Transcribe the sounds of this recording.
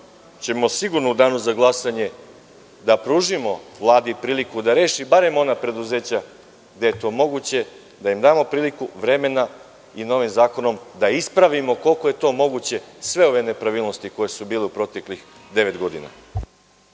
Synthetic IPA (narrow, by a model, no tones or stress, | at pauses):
t͡ɕe̞mo̞siɡuɾnoud̪aːnuzaɡlˠasaɲe̞ | d̪apɾuːʒimo̞ʋlˠaːd̪ipɾiːlikud̪aɾe̞ːʃibaɾe̞mo̞napɾe̞d̪uze̞ːt͡ɕa | ɡd̪ejet̪o̞ːmo̞ɡut͡ɕe̞ | d̪aimd̪aːmo̞pɾiːlikuʋɾe̞me̞na | ino̞ʋimzaːko̞no̞md̪aispɾaʋimo̞ko̞lˠko̞je̞t̪o̞mo̞ɡut͡ɕe̞sʋe̞o̞ʋe̞ne̞pɾaʋilno̞st̪iko̞je̞subiːleupɾo̞t̪e̞klix | d̪e̞ʋe̞t̪ɡo̞d̪ḭna̰